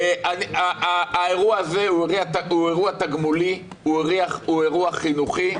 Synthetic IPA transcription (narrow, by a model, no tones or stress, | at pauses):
eʔaniaaːeʁuaːzeueʁiat̪aueʁuat̪aɡmuli | ueʁiaχueʁuaχinuχi